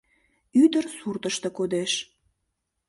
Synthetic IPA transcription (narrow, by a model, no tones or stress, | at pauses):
yd̪ərsurt̪əʃt̪ekod̪eʃ